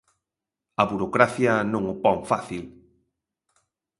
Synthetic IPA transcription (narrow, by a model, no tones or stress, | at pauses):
ɐβuɾokɾaθjanõŋʊpɔŋfaθil